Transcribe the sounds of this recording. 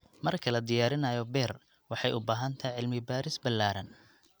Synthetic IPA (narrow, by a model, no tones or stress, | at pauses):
mɐrkʰɐlɐd̪ɪjaːɾɪnɐjɔbɛr | wɑħɑjʊbaːɦɐnt̪ʰɐjʕɪlmɪbaːɾɪsbɐlːaːɾɐn